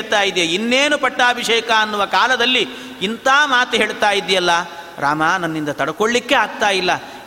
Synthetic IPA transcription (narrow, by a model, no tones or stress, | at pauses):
t̪aːjid̪ijeinːeːnupɐʈːaːbʱiʂeːkɐɐnːuʋɐkaːlɐd̪ɐlːi | int̪aːmaːt̪uɦeːɭt̪aːjid̪ːijɐlːɐ | ɾa̰ːmaːnɐnːind̪ɐt̪ɐɽɐko̞ɭːikːe̞aːɡ̚t̪aːjilːɐ